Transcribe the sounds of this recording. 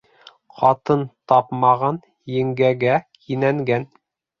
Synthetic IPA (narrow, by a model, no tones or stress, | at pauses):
qʰɑt̪ɤnt̪ɑpmɑʁɑn | jɘ̆ŋɡæɡækinæŋɡæn